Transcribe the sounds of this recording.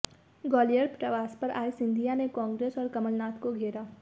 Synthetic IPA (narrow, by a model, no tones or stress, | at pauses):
ɡɔːlijəɾpɾɐʋaːspɐɾʔa̰ːisɪ̃nd̪ʱijanekɔ̃ːŋɡɾeːsɔːɾkɐməlnaːt̪koɡʱeːɾaː